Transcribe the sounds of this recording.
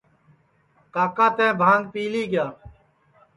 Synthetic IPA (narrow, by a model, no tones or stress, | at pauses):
kaːkaːt̪ẽːbʱãːŋɡ̚piːliːɡjaː